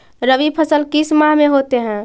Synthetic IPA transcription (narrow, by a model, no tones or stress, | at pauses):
ɾəʋipʰəsəlkismaɦmeɦot̪eɦɛ̃